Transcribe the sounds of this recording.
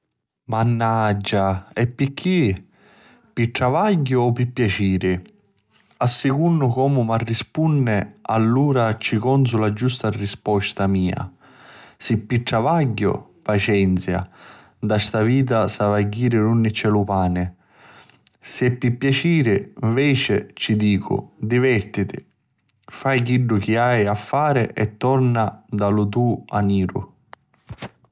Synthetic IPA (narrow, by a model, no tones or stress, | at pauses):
manːad͡ʒːaɛpːikʰːi | piʈɾavaɟːʊɔpːipːjat͡ʃiːɾɪ | asːɪkunːʊkɔːmʊmarːispunːɪalːuːɾat͡ʃːikɔns̬ʊlad͡ʒust̪arispɔst̪amiːa̰ | sɪpːiʈɾavaɟːʊ̰pat͡ʃɛnt̪sja̰ | d̪ast̪aviːt̪̬asavaɟːiːɾɪɾunːɪt͡ʃːɛlupaːnɪ | sɪpːipːjat͡ʃiːɾɪɱvɛːt͡ʃɪt͡ʃid̪iːkʰʊ̰d̪ivɛɾt̪it̪ɪ̰ | fajkiɖːʊkiajafːaːɾɪʔɛt̪ːɔɾnad̪alʊt̪̬uːa̰niːɾʊ̰